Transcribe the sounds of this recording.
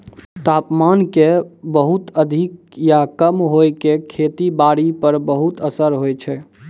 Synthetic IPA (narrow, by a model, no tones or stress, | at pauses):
t̪apmankebəɦut̪əd̪ʱik | jakəmɦojkekʰet̪ibaɽipəɾbəɦut̪əsəɾɦojt͡ʃʰɛ